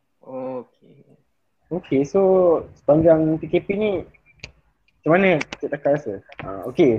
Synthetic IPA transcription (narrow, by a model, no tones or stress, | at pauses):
oke | okʰesosə̥paɲd͡ʒaŋpikepinĩ | at͡ʃamanət̪əʔt̪akaɾasəa̰oke